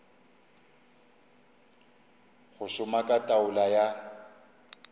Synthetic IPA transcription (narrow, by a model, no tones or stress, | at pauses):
ɣʊʃʊmakʼatʼaʊlaja